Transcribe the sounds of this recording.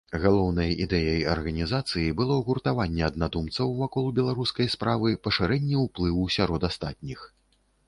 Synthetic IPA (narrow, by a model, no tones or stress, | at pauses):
ɣalˠɔwnɐjid̪ɛjɐjɐrɣɐnʲizat̪sɨjibɨlˠɔɣurt̪avanʲːɛɐd̪nad̪umt̪sɐwvakɔlˠubʲɛlˠaɾuskɐjspɾavɨpɐʂɨɾɛnʲːiwplˠɨwusʲaɾɔd̪ast̪at̪̚ʲnʲix